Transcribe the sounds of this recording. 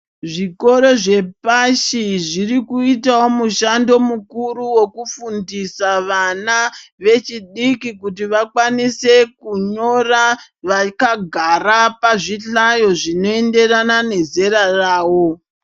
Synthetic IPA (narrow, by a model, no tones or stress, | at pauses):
ʐiko̞ɾo̞ʐe̞paʃiʐirikuitawo̞muʃando̞mukuɾuwekufundisaʋanaʋe̞t͡ʃiɗikikutiʋakwanise̞kuɲo̞raʋakaɡʱaɾapaʐiɬajo̞ʐino̞e̞nde̞ranane̞ze̞ɾaraːwo̞